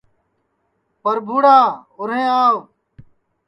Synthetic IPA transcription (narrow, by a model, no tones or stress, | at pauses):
pəɾbʱuːɽaːʊɾẽːaːw